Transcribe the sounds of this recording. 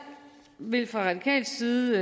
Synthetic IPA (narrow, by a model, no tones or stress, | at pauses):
ʋe̝lfʁɑ̈ʁɑ̈d̥ikʰɛ̰ːld̥siːð̩ˠ